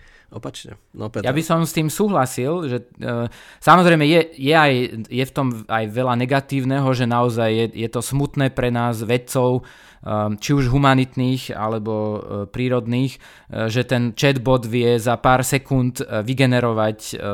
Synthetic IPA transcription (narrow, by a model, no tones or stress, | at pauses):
ɔpat͡ʃɲɛ̰pjabisɔmst̪iːmsuːɦlasilʒɛ | samɔzɾɛjmɛjɛjɛajjɛft̪ɔmajʋɛlanɛɡat̪iːʊnɛɦɔʒɛnaɔzajːɛjɛt̪ɔsmut̪nɛːpɾɛnaːzʋɛt͡sɔʊ | t͡ʃiuʒɦumanit̪niːxa̰lɛbɔpɾiːɾɔd̪niːx | ʒɛt̪ɛnt͡ʃɛd̪bɔd̪ʋɪɛzapaːɾsɛkunt̪ʋiɡɛnɛɾɔʋac